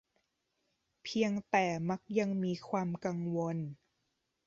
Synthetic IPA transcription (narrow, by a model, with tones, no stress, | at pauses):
pʰi˧əŋt̪ɛː˨˩ma˦˥k̚ja˧ŋmiː˧kʰwaː˧mka˧ŋwo˧n